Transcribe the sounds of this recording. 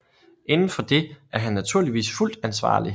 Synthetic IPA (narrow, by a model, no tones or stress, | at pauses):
ʔe̝nn̩fɒ̽d̥e̝ʔæɐɦænːæt͡sʰuɐ̰liʋḭːsful̰d̥ænsʋɑ̰̈ːli